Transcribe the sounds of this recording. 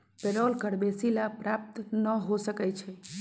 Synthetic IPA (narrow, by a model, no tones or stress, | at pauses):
peɾɔlkəɽbesilapɾap̚t̪nəɦosəkɛt͡ʃʰɛ